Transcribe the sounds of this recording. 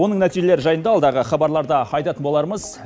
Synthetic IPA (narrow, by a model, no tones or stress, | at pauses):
o̞nəɴnæt̪ijʒe̞leɾʒɑjənd̪ɑɑlˠd̪ɑʁəχɑbɑɾlˠɑɾd̪əɑjt̪ɑt̪ənbo̞lˠɑɾməz